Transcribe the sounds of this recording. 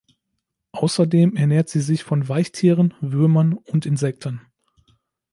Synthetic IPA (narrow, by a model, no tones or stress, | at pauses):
ʔaʊsɐdeːmɛɐneːɐtz̥iːzɪçfɔnvaɪçtʰiːʁənvʏɐmɐnʊntɪnzɛk̚tʰən̩